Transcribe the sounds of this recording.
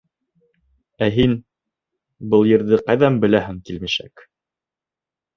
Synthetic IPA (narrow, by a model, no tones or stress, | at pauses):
æɦin | bɤlˠjɘ̆ɾðɘqɑjðɑmbɘ̆læɦɘŋkilmiʃæ̰k